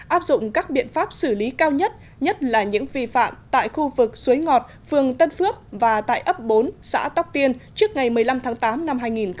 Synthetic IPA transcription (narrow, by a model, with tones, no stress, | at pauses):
ʔaː˦˥p̚zʊ̰˧˨ŋ͡mkaː˦˥k̚ɓḭ˧˨ənfaː˦˥p̚sɨ˧˩li˨˦kaː˧wɲə˦˥t̚ | ɲə˦˥t̚laː˨˩ɲɨ̰˧˥ŋvḭ˨˩fa̰ː˧˨mt̪a̰ː˧˨jxu˧vɨ˨˩k̚su˨˦jŋɔ˨˩t̚ | fɨ˨˩əŋt̪ə˧nfɨ˦˥ək̚vaː˨˩t̪a̰ː˧˨jʔə˦˥p̚ɓo˨˦nsa̰ː˧˥t̪a˦˥wk͡p̚t̪i˧ənt͡ɕɨ˦˥ək̚ŋa˨˩jmɨ˨˩əjla˧mt̪ʰaː˨˦ŋt̪aː˨˦mna˧mɦaː˧jŋi˨˩n